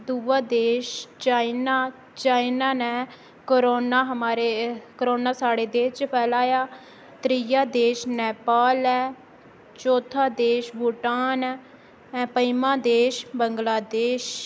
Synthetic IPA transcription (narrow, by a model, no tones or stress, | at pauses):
d̪uːʋaːd̪eːʃt͡ʃaːinaː | t͡ʃaːinaːnɛː | kəɾoːnaːɦəmaːɾekəɾoːnaːsaːɽeːd̪eːt͡ʃpʰɛːlaːjaː | t̪ɾijaːd̪eːʃnɛːpaːlɛː | t͡ʃoːt̪ʰaːd̪eːʃbuʈaːnː | ɛ̃ːpəimãːd̪eːʃbəŋɡlaːd̪eːʃ